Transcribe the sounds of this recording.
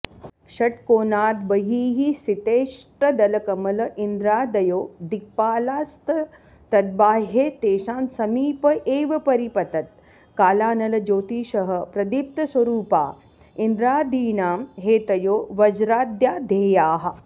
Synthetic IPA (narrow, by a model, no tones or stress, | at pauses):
ʃɐʈkoːnaːd̪bɐɦiːɦisit̪eːʂʈɐd̪ɐlɐkɐmɐlɐʔind̪ɾaːd̪ɐjoːd̪ik̚paːlaːst̪ɐ | t̪ɐd̪̚baːɦeːt̪eːʃaːnsɐmiːpɐʔeːʋɐpɐɾipɐt̪ɐt̪̚ | kaːlaːnɐlɐd͡ʒoːt̪iːʃɐɦɐ̆pɾɐd̪ip̚t̪ɐsʋɐɾuːpa̰ː | ind̪ɾaːd̪iːnaːmɦeːt̪ɐjoːʋɐd͡ʒɾaːd̪jaːd̪ʱeːjaːɦɐ̆